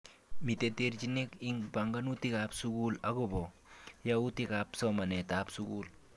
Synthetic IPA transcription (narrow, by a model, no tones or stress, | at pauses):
mit̪et̪eɾd͡ʒinekiŋbaŋɡanutikapsukulaɡobɔ | jaut̪ikapsɔmanetapsuɡul